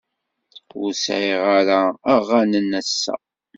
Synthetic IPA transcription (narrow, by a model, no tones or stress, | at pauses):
ʊsʕiʁaɾaːʁːanənæsːæ̰